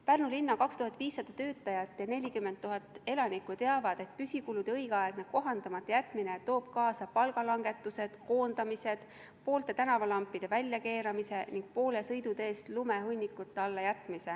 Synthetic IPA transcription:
pærnulinːɑkɑkst̪uɦɑt̪ːˑviːsːɑd̪̥ɑt̪ø̞ːt̪ːˑɑjɑt̪ːˑjɑne̞lʲikymːe̞nt̪ːuɦɑt̪ːˑe̞lɑnikːˑueɑvɑd̪e̞t̪̚pysʲikulud̪̥eɤjɡ̥ɑeɡ̥neɡ̥̚ko̞ɦɑnd̪ɑmɑt̪ːˑɑjæt̪ːˑminet̪o̞ːb̥̚kɑːsɑpɑlɡ̥ɑlɑŋɡ̥e̞t̪ːˑuse̞d̪̥ko̞ːnd̪̥ɑmise̞d̪̥ | po̞ːlt̪e̞t̪ænɑvɑlɑmpːid̪̥e̞vælʲjɑke̞ːɾɑmise̞niŋɡ̥̚po̞ːle̞sɤjd̪ud̪eːst̪lume̞ɦunʲːikːˑut̪ːˑeɑlːɑjæt̪ːˑmise

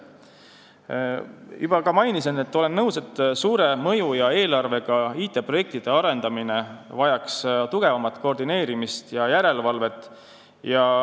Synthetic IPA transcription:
yb̥ɑkɑmɑjnisene̞t̪ːo̞le̞nːɤwse̞t̪ːsuːɾe̞mɤ̞jujɑe̞ːlɑrve̞ɡ̥ɑiːt̪ːe̞pro̞je̞k̚t̪id̪̥e̞ɑɾe̞nd̪ɑmine̞vɑjɑkst̪uɡ̥e̞vɑmɑt̪ːˑko̞rd̪ine̞ːɾimist̪jɑjæɾe̞lvɑlve̞t̪ːˑ | jɑ

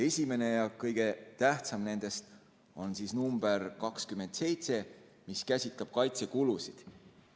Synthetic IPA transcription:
e̞sʲime̞ne̞jɑkɤjɡ̥e̞t̪æht̪sɑmne̞nd̪̥e̞st̪ | o̞nsisnumb̥e̞rkɑkskyme̞nt̪se̞jt̪se̞ | miskæsʲit̪ˑlɑb̥̚kɑjt̪se̞kulusid̪̥

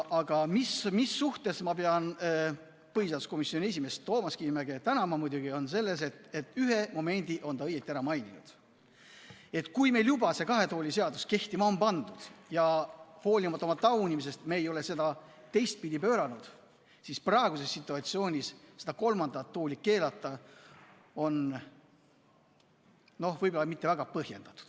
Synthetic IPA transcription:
ʔɑɡ̥ɑmismisːuht̪e̞smɑpeɑn | pɤɦiseɑd̪usko̞misːio̞nie̞s̬ʲime̞st̪o̞ːmɑskimæɡe̞t̪ænɑmɑmud̪̥ʲuɡio̞nse̞lːe̞s̬e̞t̪e̞t̪ːˑyɦe̞mo̞me̞nʲd̪̥iʔo̞nt̪ɑɤjet̪ːˑiæɾɑmɑjninṵd̪̥ | e̞t̪ːˑkujme̞ːljubɑse̞kɑɦe̞t̪o̞ːlʲise̞ɑd̪uske̞ht̪imɑompɑnd̪̥ud̪̥jɑho̞ːlʲimɑt̪ːˑo̞mɑt̪ɑwnʲimis̬e̞st̪meːjo̞le̞se̞d̪ɑ | t̪e̞jst̪̚pid̪ʲipøːɾɑnud̪̥ | sisprɑeɡ̥use̞sːit̪ˑːuɑt̪sio̞ːnʲisse̞d̪ɑko̞lmɑnd̪ɑt̪ːoːlʲike̞ːlɑt̪ːˑɑ | o̞n | no̞hvɤjbo̞lɑmit̪ˑːe̞væɡ̥ɑpɤhje̞̰nd̪̥ɑt̪ːˑu̥d̪̥

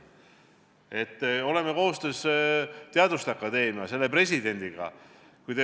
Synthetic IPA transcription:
e̞t̪ːo̞le̞meko̞ɦost̪est̪eɑd̪ust̪ɑkːˑɑd̪e̞ːmjɑse̞lːe̞pre̞sʲid̪e̞nʲd̪̥iɡ̥ɑ̰ | kujt̪e

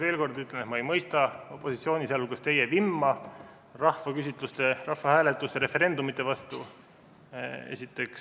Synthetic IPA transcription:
ve̞ːlko̞rd̪yt̪lenet̪mɑejmɤjst̪ɑo̞pːˑo̞sit̪sio̞ːnʲiselulkɑst̪e̞jevimːɑ | rɑhvɑkysʲit̪ˑlust̪e̞rɑhfɑhæːle̞t̪ːˑust̪e̞ɾe̞fe̞ɾe̞nd̪̥umit̪ːˑe̞vɑst̪u | ḛsʲit̪ːˑe̞ks

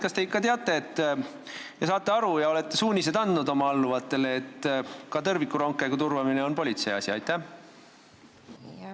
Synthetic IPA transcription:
kɑst̪e̞ikːˑɑt̪e̞ɑt̪ːˑe̞ːt̪ː | jɑsɑːt̪ːˑe̞ɑɾujɑo̞le̞t̪ːe̞suːnʲise̞d̪ɑnd̪nud̪o̞mɑɑlːuvɑt̪ːˑe̞le̞ːt̪ːkɑt̪ɤrvikːˑuɾo̞ŋkːˑe̞ɡut̪urvɑmine̞o̞npo̞lʲit̪se̞jɑ̰sʲiɑ̰jt̪ːˑæ

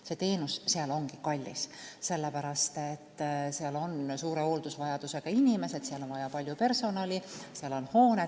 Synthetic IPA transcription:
se̞t̪e̞ːnusseɑlo̞ŋɡikɑlʲːḭsse̞lːepæɾɑst̪et̪ːseɑlo̞nsuːɾeo̞ːld̪̥usvɑjɑd̪̥use̞ɡ̥ɑinʲime̞se̞d̪̥seɑlo̞nvɑjɑpɑlʲjupe̞rso̞nɑliseɑlo̞nho̞ːne

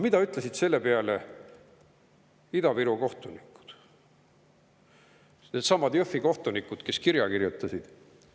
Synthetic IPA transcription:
mid̪ɑyt̪ˑlesid̪̥se̞lːepeɑle | id̪̥ɑviɾuko̞ht̪unikːˑu̥d̪̥ | ned̪sɑmːɑd̪jøfːiko̞ht̪unikːˑud̪̥ke̞skiɾjɑkirjut̪ːˑɑsid̪̥

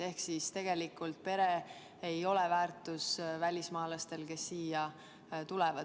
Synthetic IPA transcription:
e̞hksist̪e̞ɡ̥e̞likːˑult̪̚pe̞ɾe̞ | ejo̞levæːrt̪usvælʲismɑːlɑst̪e̞lke̞sːiːjɑ | t̪ulɛvɑ

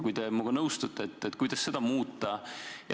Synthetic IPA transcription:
kujd̪e̞muɡ̥ɑnɤwst̪ut̪ːeet̪ˑːet̪ːkujd̪̥ɑsːe̞d̪̥ɑmuːt̪ːˑɑj

